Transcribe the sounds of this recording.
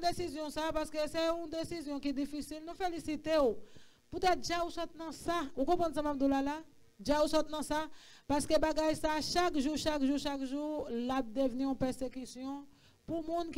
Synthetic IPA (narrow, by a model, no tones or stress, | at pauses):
d̪esizjɔ̃sapaʁskøseũd̪esizjɔ̃kid̪ifisilnũfelisit̪eo | put̪ɛt̪̚d͡ʒausɔt̪̚nɐ̃saukɔ̃pʁãns̬amap̚d̪ulala | d͡ʒausɔt̪̚nɐ̃sa | paʁskebaɡajsaʃakʒuʃakʒuʃakʒulap̚d̪əvniɔ̃pɛʁsekysjɔ̃ | pumũnk